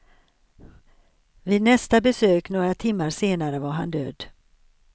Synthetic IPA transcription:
viːd̪nɛst̪abɛsøːknoːɡɾat̪ʰɪmːaɾseːnaɾəvaɾɦa̰nd̪ø̰ːd̪

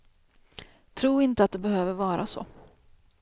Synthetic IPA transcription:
t̪ʰɾuːɾɪnt̪əat̪̚d̪ɛbɛhøːvəɾvɑːɾʔa̰sɔ̰

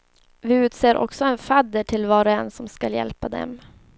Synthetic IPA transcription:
vɪʉ̟ːt̪seːɾʔɔ̰ksɔɛnfad̪ːəʈʰɪlvɑːɾaɛnsɔmskaljɛ̰lpad̪ɛ̰m

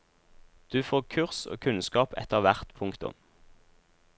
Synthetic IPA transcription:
d̪̥ʉːfoːʁkʰʉʁso̰ːkʰʉnskɑːpɛ̰t̪əʁʋæʁt̪pʰʊŋkt̪ʊ̰m

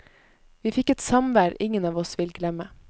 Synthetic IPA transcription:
ʋiːfɪkɛt̪sɑmʋæːɾɪŋənɑːʋɔsʋɪlɡlɛmə

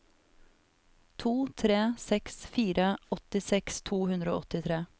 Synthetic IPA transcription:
t̪ʰuːt̪ʰɾeːsɛksfiːɾʔəɔt̪ɪsɛkst̪ʰuːhʉnd̪ɾəo̰ːɔt̪ɪt̪ʰɾeː

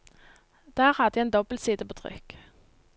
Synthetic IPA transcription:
d̪̥æːʁhɑd̪əeːnd̪ɔbəl̩siːd̪əpʰoːt̪ʰʁʏ̰k

